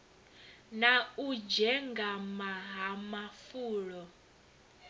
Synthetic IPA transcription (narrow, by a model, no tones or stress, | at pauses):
naud͡ʒɛŋɡamaɦamafuːɺɔ